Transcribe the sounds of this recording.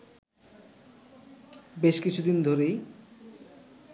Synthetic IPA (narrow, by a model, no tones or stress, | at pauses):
beʃkit͡ɕʰud̪ind̪ʱoɾej